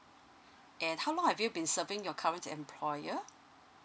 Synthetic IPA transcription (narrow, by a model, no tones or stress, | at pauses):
ʔɛ̃nhawlɔ̃ŋhɛvjubĩnsəvɪ̃ŋjɔkʰaɹə̃ntɛ̰̃mpʰlɔjə